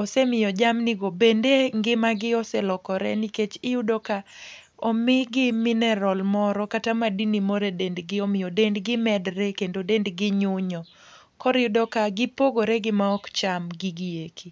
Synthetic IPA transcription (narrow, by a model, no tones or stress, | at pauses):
ɔsemɪjɔd͡ʒamnɪɡobendeŋɡɪmaɡɪɔsɛlɔkɔɾɛ̰niket͡ʃɪjudɔka | ɔmɪɡɪmɪnɛɾɔlmɔɾɔkatamadinimɔɾedendɡɪɔmɪjɔdendɡɪmɛdɾɛkendodendɡɪɲʊɲɔ | kɔɾɪʊdɔkaɡɪpoɡoɾeɡɪmaɔkt͡ʃamɡɪɡijekʰi